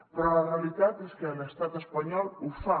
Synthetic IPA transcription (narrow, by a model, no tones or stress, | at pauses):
pɾɔlarealit̪at̪eskelest̪at̪espaɲɔlufa